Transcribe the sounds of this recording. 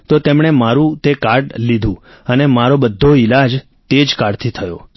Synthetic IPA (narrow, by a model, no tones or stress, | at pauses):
t̪ot̪emɳ̃emaɾũt̪ekaɖlid̪ʱũ | ənemaɾobəd̪ʱːoilad͡ʒ | t̪ed͡ʒkaɽt̪ʰit̪ʰəjo̰